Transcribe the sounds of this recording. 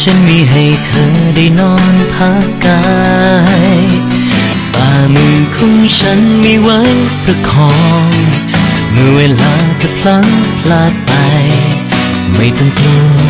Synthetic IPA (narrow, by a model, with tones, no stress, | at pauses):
t͡ɕʰa˧˦˥nmiː˧˥ɦa˨˩jt̪ʰɤː˧˦da˧˩jnɔː˧˥˩npʰaː˧˥ka˧˥ | j | faː˧˩mɯː˧kʰɔː˧˥ŋt͡ɕʰa˦˥nmiː˧wa˧˦˥jpɾa˧kʰɔː˧ŋ | mɯ˧˩weː˧laː˧t͡ɕa˧˩pʰla˧˥ŋpʰlaː˧t̪̚pa˧j | ma˧˥˩jt̪ɔ˧˩ŋt̪i˧